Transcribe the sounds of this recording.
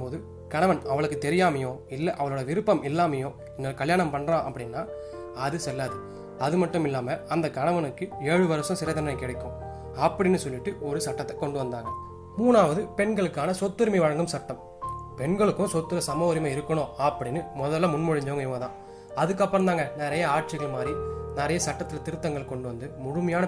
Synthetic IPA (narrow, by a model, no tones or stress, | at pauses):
poːðɯ | kɐɳɐʋɐnɐʋɐɭɯkːɯt̪ɛɾɪjaːmɐjõːɪlːɐʔɐʋɐɭoːɽɐʋɪɾɯpːɐmɪlːaːmɐjõː | ɪnːɐɭkɐljaːɳɐmpɐɳɾãːʔɐpːɐɽɪnːaː | ɐðɯsɛlːaːðɯ | ɐðɯmɐʈːɯmɪlːaːmɐɐnd̪ɐkɐɳɐʋɐnɯkːɯeːɻɯʋɐɾɐsʊ̃sɪɾɐt̪ɐnɐnɐɪkːɛːɽɐkːʊ̃ | ɐpːɐɽɪnːɯsɔlːɪʈːɯɔɾɯsɐʈːɐt̪ːɛkːɔɳɖɯʋɐnd̪aːŋɡɐ | muːnaːʋɐðɯpɛɳɡɐɭɯkːaːnɐsɔt̪ːɯɾmiʋɐɻɐŋɡɯmsɐʈːɐm | pɛɳɡɐɭɯkːʊ̃sɔt̪ːɯɾɐsɐmɐːɾɪmɐɪɾɯkːɐɳõːɐpːɐɽɪnːɯmɔðɐlːɐmʊnmʊɻɪɲd͡ʒɐʋɐːŋɡɐɪʋɐɐt̪ã̰ː | ɐðɯkːɐpːɐɾɐnd̪aːŋɡɐnɪɾɐjɐaːʈ̚t͡ʃɪɣɐɭmaːd̪ɾinɪɾɐjɐsɐʈːɐt̪ːɯlɐt̪ɪɾɯt̪ːɐŋɡɐɭkːɔɳɖɯʋɐnd̪ɯmʊɻɯmɐjaːnɐ